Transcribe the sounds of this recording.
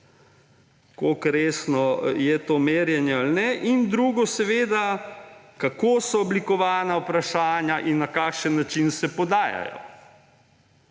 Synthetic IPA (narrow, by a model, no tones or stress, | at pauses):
kokɾeːsnɔjɛt̪oːmeːɾjɛnjɛalnɛʔind̪ɾuːɡɔsɛʋeːd̪a | kakoːsɔːblikɔʋaːnaupɾaʃaːnjaʔinːakaːkʃənːat͡ʃinsɛpɔd̪aːja̰jɔ̰